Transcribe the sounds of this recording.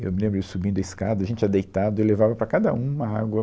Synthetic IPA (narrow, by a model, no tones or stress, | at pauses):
ḛwmɪlẽbɾʊesubĩnd̪ɐiskad̪ɐʒẽnt͡ʃɐd̪ejt̪ad̪ʊewlevavɐpɾɐkad̪ɐũmɐaɡwɐ